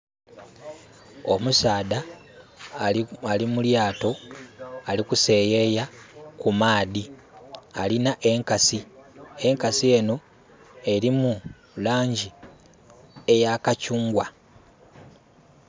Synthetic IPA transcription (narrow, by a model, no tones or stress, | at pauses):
o̞musaːda | alimuljaːto̞ | alikuse̞ːjejakumaːði | alinaʔe̞ŋkasie̞ŋkasie̞no̞ | e̞ɾimu | laːɲɟi | e̞jakacuːŋɡwa